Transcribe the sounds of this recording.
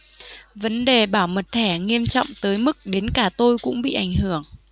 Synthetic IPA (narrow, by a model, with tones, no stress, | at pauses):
və˨˦nɗe˨˩ɓaː˧˩wmə˨˩t̚t̪ʰɛ˧˩ŋi˧əmt͡ɕɔ̰˧˨wŋ͡mt̪əː˨˦jmɨ˦˥k̚ɗe˨˦nkaː˧˩t̪o˧jkʊ̰˧˥ŋ͡mɓḭ˧˨ʔa˧˩jŋ̟hɨ˧˩əŋ